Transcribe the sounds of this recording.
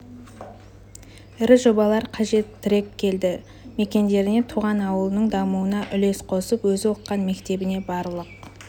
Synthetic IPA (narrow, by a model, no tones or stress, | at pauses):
ɪɾɪʒo̞bɑlˠɑɾqʰɑʒe̞t̪ːɪɾe̞kkʲʰe̞ld̪ɪ | me̞kʲe̞nd̪e̞ɾɪne̞t̪ʰuʁɑnɑwəlˠənəɴd̪ɑmuənɑʔʏle̞sqʰo̞səpwɵzɪwoqːɑnme̞kt̪e̞bɪne̞bɑɾlˠəq̚